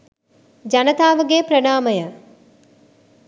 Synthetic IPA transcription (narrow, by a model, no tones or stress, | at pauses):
d͡ʒanət̪aːʋəɡeːpɾənaːməjə